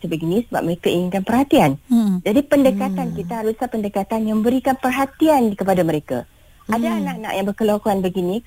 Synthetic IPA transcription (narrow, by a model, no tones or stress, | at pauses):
səbəɡinĩsəba̰p̚məɾekaiɲiŋkanpərhat̪iand͡ʒadipəndəkat̪ankit̪aɦaɾusapəndəkat̪anjaŋmə̃bəɾikanpərɦat̪iankəpadaməɾeka̰ | ʔadaːnãʔana̰ʔjaŋbərkəlokoanbəɡinĩ